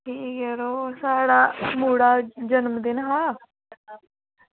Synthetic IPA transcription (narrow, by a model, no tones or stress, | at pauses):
ʈʰiːkɛɾoːsaːɽaːmuːɽaːd͡ʒənmd̪ɪnɦãː